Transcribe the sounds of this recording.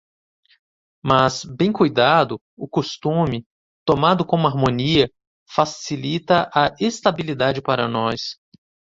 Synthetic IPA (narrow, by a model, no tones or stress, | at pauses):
masbẽj̃kujd̪ad̪ʊ | ʊkost̪ũmɪ | t̪omad̪ʊkõmʊaɾmõniɐ | fasilit̪ɐʔɐʔest̪abilid̪ad͡ʒɪpaɾɐ̰nɔs